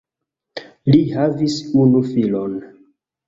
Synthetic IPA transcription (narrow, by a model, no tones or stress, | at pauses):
lihavisunufilon